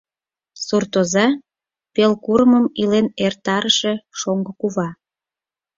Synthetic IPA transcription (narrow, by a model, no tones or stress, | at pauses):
surt̪ozɑ | pelkuɾəməmilenert̪ɑɾəʃe̽ʃoŋɡə̆kuβɑ